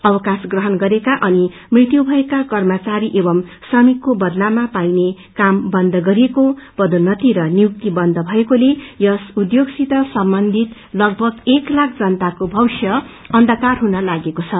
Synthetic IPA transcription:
ʌbʌkasɡrʌɦʌnɡʌɾekaʔʌni | mrit̪jubʱʌekakʌrmʌt͡saɾiʔebʌmsʌmikːobʌd̪lamapajne | kambʌnd̪ʱʌɡʌɾiekob̥ʌd̪unːʌt̪iɾʌnijuk̚t̪ibʌnd̪ʱʌbʱʌekolejʌsud̪joɡsit̪ʌsʌmbʌnd̪ʱit̪ | lʌɡ̚bʱʌɡeklakʰd͡zʌnt̪akobʱʌwsjʌ | ʌnd̪ʱʌkarɦunʌlaɡekot͡sʰʌ

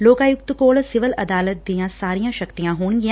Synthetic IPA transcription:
loːkaːjʊk̚t̪koːɭsɪʋəlɐd̪aːlət̪̚d̪ijãsaːɾijãʃɐkt̪ijãɦoːnɡɪjã

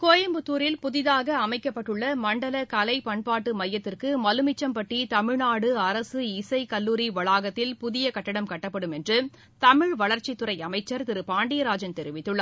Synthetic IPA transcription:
koːjɐmbɯt̪ːuːɾɪlpʊðɪðaːɣɐːmɐɪkːɐpːɐʈːɯɭːɐmɐɳɖɐlɐkɐlɐɪpɐɳpaːʈːɯmɐjːɐt̪ːɪrkɯmɐlɯmɪt͡ʃːɐmpɐʈːit̪ɐmɪɻnaːɽɯɐɾɐsɯɪsɐɪkɐlːuːɾiʋɐɭaːɣɐt̪ːɪlpʊðɪjɐkɐʈːɐɽɐmkɐʈːɐpːɐɽɯmɛndrɯ | t̪ɐmɪɻʋɐɭɐɾt͡ʃɪt̪ːɯɾɐɪɐmɐɪt͡ʃːɐɾt̪ɪɾɯpaːɳɖɪjɐɾaːd͡ʒɐnt̪ɛɾɪʋɪt̪ːɯɭːɐ

